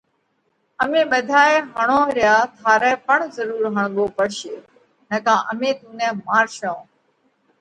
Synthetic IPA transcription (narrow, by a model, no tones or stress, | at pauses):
əmẽːɓəd̪ʱaːeɦəɳ̃õːɾɪjaːt̪ʰaːɾɛːpəɳzəɾuːɾɦəɳ̃ɠoːpəɽʃeː | nəkãːʔəmẽːt̪uːnɛ̃ːmaːɾʃãː